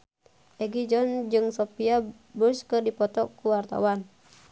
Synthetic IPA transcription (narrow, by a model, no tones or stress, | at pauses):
ʔɛɡid͡ʒɔnd͡ʒɨŋsɔpia | buskɨrdipɔt̪ɔkːuwart̪a̰wan